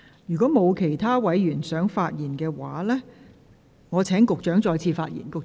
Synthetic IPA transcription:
jyː˨˩kɔː˨˥mo˨˧wkʰe˨˩jt̪ʰaː˥wɐ˨˥jjyː˨˩nsœː˨˥ŋfaː˧t̚jiː˨˩nkɛː˧waː˨˥˦lɛː˥ | ŋɔː˨˧t͡sʰɛː˨˥ŋkʊ˨k̚t͡ʃœː˨˥ŋt͡ʃɔː˧jt͡sʰiː˧faː˧t̚jḭ˨˩nkʊ˨k̚

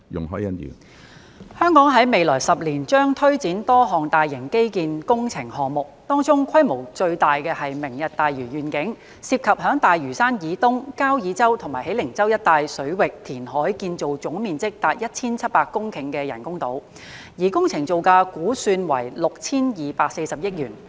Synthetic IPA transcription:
jʊ̰˨˩ŋɦɔː˨˥jɐ˧˥njy̰˨n | hœː˥ŋkɔː˨˥ŋɦɐ˨˥jme˨jlɔː˨˩jsɐ˨p̚liː˨˩nt͡ʃœː˥ŋt̪ʰɵ˥ɥt͡siː˨˥nt̪ɔː˥ɦɔː˨ŋt̪aː˨jːɪ˨˩ŋke˥jkiː˨nkʊ˥ŋt͡sʰɪ˨˩ŋhɔː˨˩ŋmʊ˨k̚t̪ɔː˥ŋt͡sʊ˥ŋkʷʰɐ˥jmo˨˩wt͡ʃɵ˧ɥt̪aː˨jkɛː˧hɐ˨jmɪ˨˩ŋjɐ˨˩t̚t̪aː˨jɥyː˨˩ɥyː˨˩nkɪ˨˥ŋ | siː˧p̚kʰɐ˨p̚hɦœː˨˥ŋt̪aː˨jɥyː˨˩saː˥njiː˨˥t̪ʊ˥ŋkaː˥wjiː˨˥t͡sɐ˥wt̪ʰʊ˨˩maː˨˩jhe˨˥lɪ˨˩ŋt͡sɐ˥wjɐ˥t̪̚ːaː˨jsɵ˨˥ɥwɪ˨k̚t̪ʰiː˨˩nɦɔː˨˥jkiː˧nt͡so˨wt͡sʊ˨˥ŋmiː˨nt͡sɪ˥k̚t̪aː˨˧t̚jɐ˥t̚t͡sʰiː˥nt͡sʰɐ˥t̚paː˧kːʊ˥ŋkʰɪ˨˩ŋkɛː˧jɐ̰˨˩nkʊ˥ŋt̪o˨˥w | jiː˨˩kʊ˥ŋt͡sʰɪ˨˩ŋt͡so˨wkaː˧kuː˨˥syː˧nwɐ̰˨˩jlʊ˨k̚t͡sʰiː˥njiː˨paː˧k̚se˧jsɐ˨p̚jɪ˥k̚jyː˨˩n

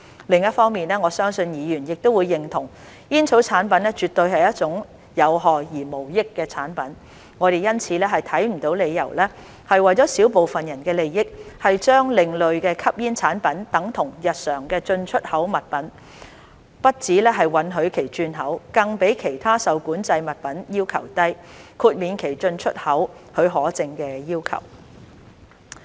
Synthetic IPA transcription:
lɪ˨ŋjɐ˥t̚fɔː˥ŋmiː˨˩nɛː˥ŋɔː˨˧sœː˥ŋsɵ˧njiː˨˧jyː˨˩njɪ˨k̚t̪o˥wuː˨˧jːɪ˨ŋt̪ʰʊ˨˩ŋ | jiː˥nt͡sʰo˨˥wt͡sʰaː˨˥npɐ˨˥nlɛː˥t͡ʃyː˨˩t̪ɵ˧ɥhɐ˨jɐ˥t̚t͡sʊ˨˥ŋ | jɐ˨˧wɦɔː˨jiː˨˩mo˨˩wjɪ˥kːɛː˧t͡sʰaː˨˥npɐ˨˥n | ŋɔː˨˧ɾe˨jɐ˥nt͡sʰiː˨˧lɛ˥ɦɐ˨jt̪ʰɐ˨˥jm̩˨˩t̪o˨˥wle˨˧jɐ̰˨˩wlɛ˥ | hɐ˨jwɐ˨˩jt͡sɔː˨˥siː˨˥wpo˨wfɐ˨njɐ˨˩nkɛː˧le˨jːɪ˥k̚hɐ˨jt͡ʃœː˥ŋlɪ˨ŋlɵ˨ɥkɛː˧kʰɐ˥p̚jiː˥nt͡sʰaː˨˥npɐ˨˥nt̪ɐ˨˧˥ŋt̪ʰʊ˨˩ŋjɐ˨t̚sœː˨˩ŋkɛː˧t͡ʃɵ˧nt͡ʃʰɵ˥t̚hɐ˨˥wmɐ˨t̚pɐ˨˥n | pɐ˥t̚t͡siː˨˥lɛː˥ɦɐ˨jwɐ˨˧nɦɵ˨˧ɥkʰe˨˩jt͡ʃyː˧nɦɐ˨˥wkɐ˧ŋpe˨˥jkʰe˨˩jt̪ʰaː˥sɐ˨wkuː˨˥nt͡sɐ˧jmɐ˨t̚pɐ˨˥njiː˥wkʰɐ˨˩wt̪ɐ˥jkʰuː˧t̚miː˨˧nkʰe˨˩jt͡ʃɵ˧nt͡ʃʰɵ˥t̚hɐ˨˥w | hɵ˨˧ɥɦɔː˨˥t͡sɪ˨˧ŋkɛː˧jiː˥wkʰɐ̰˨˩w

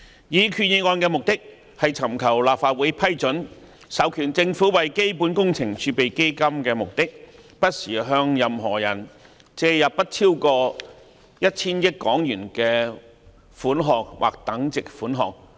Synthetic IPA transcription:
jiː˨˥kʰyː˨˧t̚ji˨˧ŋɔː˧nkɛː˧mʊ˨k̚t̪ɪ˥k̚ | hɐ˨jt͡sʰɐ˨˩mkʰɐ˨˩wlaː˨p̚faː˧t̚wuː˨˥jpʰɐ˥jt͡sɵ˨˥n | sɐ˨˧˥wkʰyː˨˩nt͡sɪ˧ŋfu˨˥wɐ˨jke˥jpuː˨˥nkʊ˥ŋt͡sʰɪ˨˩ŋt͡ʃʰyː˧pe˨jke˥jkɐ˥mkɛː˧mʊ˨k̚t̪ɪ˥k̚pɐ˥t̚siː˨˩ɦœː˧ŋjɐ˨mɦɔː˨˩jɐ˨˩n | t͡sɛː˧jɐ˨ppɐ˥t̚t͡sʰiː˥wkɔː˧ | jɐ˥t̚t͡sʰiː˥njɪ˥kkːɔː˨˥ŋjyː˨˩nkɛː˧ | fuː˨˥nɦɔː˨k̚wʔa̰˨k̚t̪ɐ˨˥ŋt͡sɪ˨k̚fuː˨˥nɦɔ̰ː˨k̚

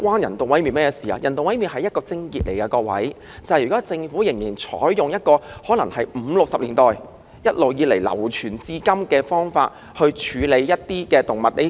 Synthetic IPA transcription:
kwaː˥njɐ˨˩nt̪o˨wɐ˨˥jmi˨nmɛː˥jsiː˨˩a̰ː˧jɐ˨˩nt̪o˨wɐ˨˥jmi˨nɦɐ˨jɐ˥t̚kɔː˧t͡sɪ˥ŋkiː˨t̚lḛ˨˩jkɐː˧kɔː˧k̚wɐ̰˨˥j | t͡sɐ˨jy˨˩kɔː˨˥t͡sɪ˧ŋfu˨˥jɪ˨˩ŋjiː˨˩nt͡ʃʰɔ̰ː˨˥jːʊ˨ŋjɐ˥t̚kɔː˧hɔː˨˥lɐ˨˩ŋhɐ˨jm̩ː˨˧lʊ˨k̚sɐ˨p̚liː˨˩nt̪ɔː˨˩j | jɐ˥t̚lo˨wjiː˨˧le˨˩jlɐ̰˨˩wt͡ʃʰyː˨˩nt͡siː˥kɐ˥mkɛː˧fɔː˥ŋfa̰ː˧t̚ | hɵ˧ɥt͡ʃʰyː˨˧le˨˧jːɐ˥t̚t̪iː˥kɛː˧t̪ʊ˨ŋmɐ˨t̚le˨˥

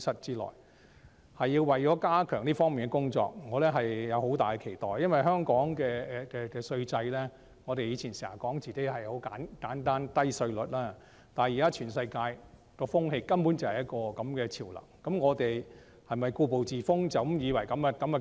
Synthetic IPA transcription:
sɐ˥t̚t͡siː˥lɔ̰ː˨˩j | hɐ˨jiː˧wwɐ˨˩jt͡ʃɔː˨˥kaː˥kʰœː˨˩ŋliː˥fɔː˥ŋmiː˨nkɛ˧kʊ˥ŋt͡sɔ̰ː˧k̚ŋɔː˨˧lɛː˥ɦɐ˨jːɐ˨˧who˨˥wt̪aː˨˩jkɛ˧kʰe˨˩jt̪ɔ̰ː˨jɐ˥nwɐ˨jɦœː˥ŋkɔː˨˥ŋkɛː˧ɛ˨˧kɛː˧kɛː˧sɵ˧ɥt͡sɐ˧jlɛː˥ | ŋɔː˨˧t̪e˨jiː˨˧t͡sʰi˨˩nsiː˨˩ɐ˨˩kɔː˨˥ŋt͡siː˨ke˨˥jɦɐ˨jho˨˥wkaː˨˥nkaː˨˥nt̪aː˥nt̪ɐ˥jsɵ˧ɥlɵ˨t̚laː˥ | t̪aː˨njiː˨kaː˥t͡ʃʰyː˨˩nsɐ˧jkaː˧j | kɔː˧fʊ˥ŋɦe˧jkɐ˥mpu˨˥nt͡sɐ˨˩whɐ˨˩jɐ˥t̚kɔː˧kɐ˨˦mkɛː˧t͡sʰiː˨˩wlɐ̰˨˩ŋkɐ˨˦mŋɔː˨˧t̪e˨j | hɐ˨jmɐ˨˩jkuː˧po˨wt͡siː˨˩fʊ˥ŋt͡sɐ˨˩wjiː˨˧wɐ˨˩jkɐ˨˥mɛ˧kɐ˨˦mɛ˧

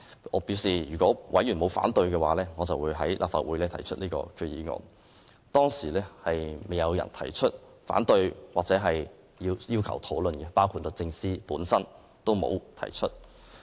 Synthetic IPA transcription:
ʔɔː˨˧˥piː˨˥wsiː˨˩jyː˨˩kʷɔː˨˥wʔɐ̰˨˥jyː˨˩mo˨˧wfa̰ː˨˥nt̪ɵ˧ɥkɛː˧waː˨˥lɛː˥ŋɔː˨˧t͡sɐ˨wuː˨˧jɦɐ˨˥jlʔaː˨p̚fa̰ː˨t̚wuː˨˥jlɛː˥t̪ʰjt͡ʃʰɵ˥t̚niː˥kɔ̰ː˧kʰy˧jiː˨˥ŋɔ̰ː˨n | t̪ɔː˥ŋsiː˨˩lɛː˥hɐ˨jme˨jɐ˨˧wjɐ̰˨˩nt̪ʰɐ̰˨˩jt͡ʃʰɵ˥t̚ | fa̰ː˨˥nt̪ɵ˧ɥwaː˨k̚t͡sɛː˨˥ɦɐ˨j | jiː˧wjiː˥wkʰɐ̰˨˩wt̪ʰo˨˥wlɵ˨nkɛ˧paː˥wkʰu˧tlɵ˨t͡sɪ˧ŋsiː˥puː˨˥nsɐ˥n | t̪o˥wmo̰˨˧wt̪ʰɐ̰˨˩jt͡ʃʰɵ˥t̚

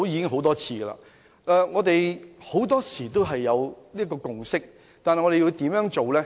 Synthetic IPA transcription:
o˥wjiː˨˧kɪ˥ŋɦo˨˥wt̪ɔː˥t͡sʰiː˧ɡɐ˧la̰ː˧ | ʔɛː˨ŋɔː˨˧t̪e˨jho˨˥wt̪ɔː˥siː˨˩t̪o˥wɦɐ˨jːɐ˨˧wli˥ɐ˥kɔː˧kʊ˨˩ŋsɪ˥k̚ | t̪aː˨nhjŋɔː˨˧e˨jiː˧t̪iː˨˥mjœː˨˥ŋt͡ʃo˨wlɛː˥

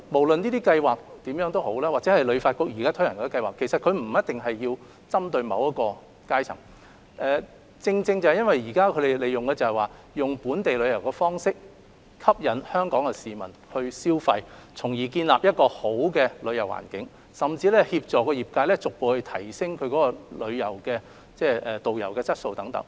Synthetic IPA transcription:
mo˨˩wlɵ˨niː˥t̪iː˥kɐ˧jwaː˨˩k̚t̪iː˨˥mjœː˨˥ŋt̪o˥who˨˥wlɛː˥wa˨k̚t͡sɛː˨˥hɐ˨jlɵ˨˧faː˧t̚kʊ˥k̚jiː˨˩kaː˥t̪ʰɵ˥jɐ˨˩nkɔː˧˥kɐ˧jwa̰ː˨˩kʰːe˨˩sɐ˨t̚kʰɵ˨˧ɥm̩˨˩jɐ˥t̚t̪ɪ˨ŋɦɐ˨jːiː˧w | t͡sɐ˥mt̪ɵ˧ɥmɐ̰˨˧wjɐ˥t̚kɔː˧ | kaː˥jt͡sʰɐ̰˨˩ŋ | ʔɛː˨ | t͡sɪ˧ŋt͡sɪ˧ŋt͡sɐ˨˩hɐ˨jɐ˥nwɐ˨˩jiː˨˩kaː˥kʰɵ˨˧ɥɾe˨le˨˧jʊ˨ŋkɛː˧t͡sɐ˨hɛ˨˩waː˨ | jʊ˨ŋpuː˨˥nt̪e˨jlɵ˨˧ɥjɐ˨˩wkɛː˧fɔː˥ŋsɪ˥k̚ | kʰɐ˥p̚jɐ˨˥nhœː˥ŋkɔː˨˥ŋɛ˧siː˨mɐ˨˩nhɵ˧ɥsiː˥wfɐ˧jt͡sʰʊ˨˩ŋjiː˨˩kiː˧nla̰ː˨p̚jɐ˥t̚kɔː˧ho˨˥wkɛː˧lɵ˨˧ɥjɐ˨˩wa̰ː˨˩nkɪ˨˥ŋ | sɐ˨mt͡siː˧lɛː˥hiː˧p̚t͡sɔː˨kːɔː˧jiː˨˩p̚kaː˧jlɛː˥t͡sʊ˨k̚po˨˧whɵ˧t̪ʰɐ˨˩jsɪ˥ŋkʰɵ˨˧ɥkɔː˨˦˥kɔ˧lɵ˨˧ɥjɐ˨˩wkɛː˧ | t͡sɛː˥˩ʔɛː˨t̪o˨wjɐ̰˨˩wkɛː˧t͡sɐ˥t̚so˧wt̪ɐ˨˥ŋt̪ɐ̰˨˥ŋ

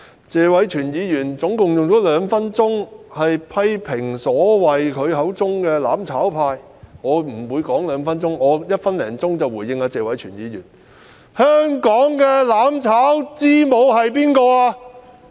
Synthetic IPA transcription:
t͡sɛː˧wɐ˨˥jt͡ʃʰyː˨˩njiː˨˧jyː˨˩nt͡sʊ˨˥ŋkʊ˨ŋjʊ˨ŋt͡sɔː˨˥lœː˨˧ŋfɐ˥nt͡sʊ˥ŋhɐ˨jpʰɐ˥jpʰɪ˨˩ŋsɔː˨˥wɐ˨jkʰɵ˨˧ɥɦɐ˨˥wt͡sʊ˥ŋkɛː˧la̰ː˨˥mt͡sʰaː˨˥wpʰaː˧j | ŋɔː˨˧m̩˨˩wuː˨˧jkɔː˨˥ŋlœː˨˧ŋfɐ˥nt͡sʊ˥ŋɔː˨˧jɐ˥t̚fɐ˥nlɛː˨˩ŋt͡sʊ˥ŋt͡sɐ˨wuː˨˩jjɪ˧ŋaː˨˧t͡sɛː˨˧wɐ˨˥jt͡ʃʰyː˨˩njiː˨˧jy̰ː˨˩n | hœː˥ŋkɔː˨˥ŋkɛː˧laː˨˥mt͡sʰaː˨˥wt͡siː˥mo˨˧wɦɐ˨jp̬iː˥nkɔː˧aː˧

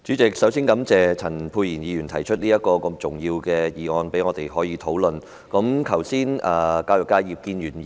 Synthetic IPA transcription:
t͡ʃyː˨˥t͡sɪ˨k̚sɐ˨˥wsiː˥nkɐ˨˥mt͡sɛː˨˩t͡sʰɐ˨˩npʰuː˧jiː˨˩njiː˨˧jy˨˩nt̪ʰɐ˨˩jt͡ʃʰɵ˥t̚liː˥jɐ˥t̚kɔː˧kə˧mt͡sʊ˨ŋjiː˧wkɛː˧jiː˨˩ŋɔː˧npe˨˥jŋɔː˨˧t̪e˨˩jɦɔː˨˥jiː˨˧t̪ʰo˨˥wlɵ˨n | kɐ˨˥mkʰɐ˨˩wsiː˥nʔɐː˨kaː˧wjʊ˨kːaː˧jji˨p̚kiː˧njyː˨˩n˨

